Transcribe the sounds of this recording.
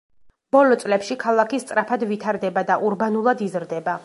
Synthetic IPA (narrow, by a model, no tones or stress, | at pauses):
b̥ɔlɔt̪sʼlɛpʃikʰalˠakist̪sʼɾapʰad̪vit̪ʰaɾd̪ɛbad̪aʔuɾbanulˠad̪izɾd̪ɛba